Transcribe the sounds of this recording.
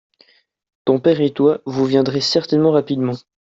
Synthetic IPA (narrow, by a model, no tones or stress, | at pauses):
t̪ɔ̃pɛʁet̪wavuvjɛ̃d̪ʁɛsɛʁt̪ɛnmɑ̃ʁapid̪mɑ̃